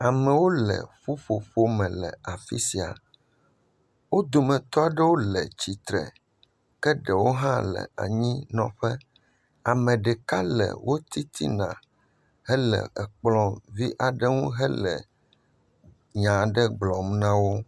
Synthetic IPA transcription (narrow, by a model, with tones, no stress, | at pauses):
a˨mɛ̃˨wo˦lɛ̰˨ɸu˦fo˨ɸo˦mɛ̃˨lɛ̰˨a˨fḭ˦si˨a̰˨ | wo˦d̪o˨mɛ̃˨t̪ɔ˦a˨ɖɛ˦wo˦lɛ˨t͡ɕi˨t̪ɾɛ̰˨ | kɛ˦ɖɛ˨wo˦ɦã˦lɛ̰˨a̰˨ɲĩ˦nɔ̃˨ɸɛ˦ | a˨mɛ̃˨ɖɛ˨ka˦lɛ̰˨wʔo˦t̪i˦t̪ʰḭ˦nã̰˨ | hɛ˦lɛ̰˨ɛ˨k͡plɔ̃˨vi˦ʔa˨ɖɛ˦ŋũ˦ɦɛ˦lɛ̰˨ | ɲã˨ɖɛ˦ɡ͡blɔ̃˨m˦nã˦wo˦